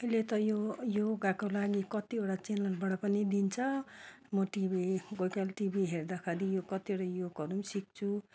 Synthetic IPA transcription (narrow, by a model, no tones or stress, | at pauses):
ʌilet̪ʌjojoɡakolaɡikʌt̪ioɽat͡senʌrbaɽʌpʌnid̪int͡sʰʌ | mʌʈibiɡojkalʈibiɦerd̪akʰaɾijokʌt̪ioɽajokʌɾumsik̚t͡sʰu